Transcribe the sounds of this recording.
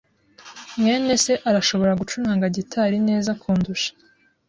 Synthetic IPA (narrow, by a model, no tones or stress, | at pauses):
mŋe̞ːne̞se̞ʔaɾaʃo̞βo̞ɾaɡut͡ʃunaːŋɡaɟitʰaɾine̞ːzakʰuːnduʃḁ